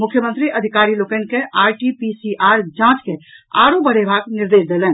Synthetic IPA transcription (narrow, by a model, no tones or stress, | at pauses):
mukʰjəmənt̪ɾiʔəd̪ʱikaɾilokɛnkeaɾʈipisiʔaɾd͡ʒãt͡ʃkea̰ɽobəɽ̤ebʱaɡniɾd̪esd̪elɛːn